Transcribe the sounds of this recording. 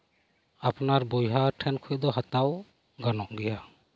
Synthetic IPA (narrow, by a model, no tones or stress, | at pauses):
apnaɾbɔjɦaʈʰɛnkʰɔjd̪ɔɦat̪aw | ɡanɔʔɡɛja